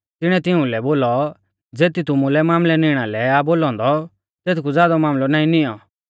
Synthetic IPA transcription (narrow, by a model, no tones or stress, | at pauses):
t̪ɪɽ̃ɛ̃t̪ɪũlɛboːlɔ | d͡zeːt̪it̪ʊmulɛmaːmlɛnɪɽ̃alɛaboːlɔ̃ːnd̪ɔ | t̪eːt̪kud͡zjaːd̪ɔmaːmlɔnaːĩnɪjɔ